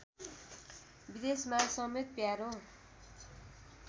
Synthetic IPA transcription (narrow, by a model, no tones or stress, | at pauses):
bid̪esmasʌmet̪̚pjaɾo